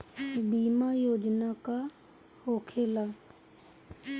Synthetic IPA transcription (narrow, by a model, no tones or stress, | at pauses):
biːmajoːd͡ʒnaka | hoːkʰeːlaː